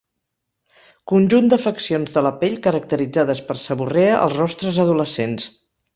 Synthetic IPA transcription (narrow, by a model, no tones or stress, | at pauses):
kunʲʒund̪əfəksionzðələpeʎkəɾək̚t̪əɾid͡zaðəspəɾsəβureəʔə̰lˠzrɔst̪ɾəzəðuləsens